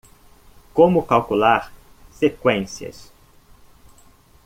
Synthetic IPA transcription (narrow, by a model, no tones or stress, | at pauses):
kõmʊkawkulaɾ | sekwẽsjɐ̰s